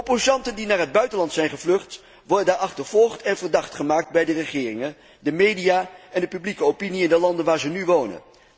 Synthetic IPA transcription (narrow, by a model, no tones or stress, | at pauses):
opozɑntəndinaːɹɦəd̚bœɥtənlɑntsɛjnχəvlɵχt | ʋɔɹdədaːɹɑχtəɹvɔlˠχtɛnvəɹdɑχtχəmaːk̚tbɛjdərəχɪːrɪŋən | dəmejdijaːɛndəpyblikəowpiniɪndəlɑndənʋaːɹzənyʋownə̰n